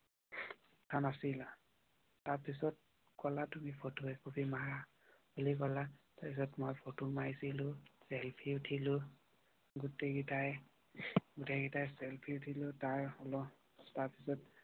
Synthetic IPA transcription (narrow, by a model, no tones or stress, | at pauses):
tʰanasila | taɹpisɔt̚ | kɔlatumipʰotuɛkubʱimaɦa | hulik̬ɔlataɹpisɔtmɔjpʰotumajsilʊsɛlpʰitʰilʊ | ɡuteɡitaj | ɡuteɡitajsɛlpʰitʰilʊtaɹɔlɔ | taɹpisɔt̚